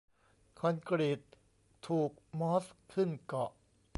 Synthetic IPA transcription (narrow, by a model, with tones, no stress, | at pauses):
kʰɔ˧nkɾi˨˩t̪ʰː | uː˨˩k̚mɔ˦˥skʰɯ˥˩nkɔ˨˩ʔ